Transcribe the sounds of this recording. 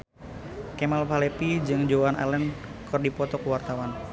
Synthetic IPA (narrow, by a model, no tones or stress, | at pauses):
kɛmalpalepid͡ʒɨŋd͡ʒoana̰lənkɨrdipɔt̪ɔkwart̪awan